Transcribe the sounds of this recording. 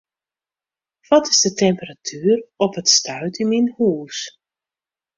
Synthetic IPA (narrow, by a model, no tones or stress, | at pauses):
ʋɔtɪzdətɛmpəratʰyːrɔpətstœɥtiminhuːs